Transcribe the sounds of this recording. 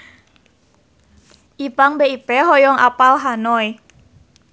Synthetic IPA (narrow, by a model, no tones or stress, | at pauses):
ʔipaŋbeipɛɦɔjɔŋʔa̰palɦanɔj